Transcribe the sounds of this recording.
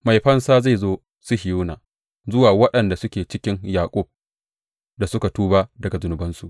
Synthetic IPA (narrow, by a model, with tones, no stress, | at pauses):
ma˨jɸɐ˦nsaː˦za˦˨zoː˦ | sʊ˦hɪ˨juː˦naː˨ | zʊ˦waː˨wɐ˦ɗɐ˨nda˨sʊ˦kʲeː˨t͡ʃɪ˦kʲɪ˦ŋjaː˨kʷʼʊ˦˨b̚ | da˨sʊ˦ka˨tuː˦baː˦dɐ˨ɡa˨zʊ˨nʊ˨bɐ˦nsu˨ʔ